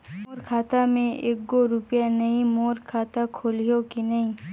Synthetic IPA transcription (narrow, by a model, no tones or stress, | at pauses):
moːɾkʰaːt̪amẽʔeːk̚ɡoɾʊpjanɐɦĩmoːɾkʰaːt̪akʰoːlijokinɐɦĩ